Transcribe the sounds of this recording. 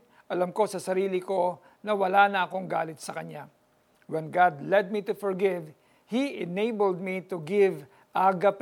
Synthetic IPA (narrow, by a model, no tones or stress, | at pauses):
ʔɐlɐmko̞sɐsɐɾiːlɪko̞ | nɐwɐlaːnɐʔɐko̞ŋɡaːlɪt̪̚sɐkɐɲa | wɛnɡad̪lɛd̪̚mit̪ʊfɔɹɡɪv | hiʔɪnejbəld̪̚mit̪ʊɡɪv | ʔaɡɐp